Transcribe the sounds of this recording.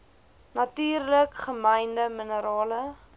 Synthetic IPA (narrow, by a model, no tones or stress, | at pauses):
nɐtyːrləkχəməjndəmənəɾɑːlə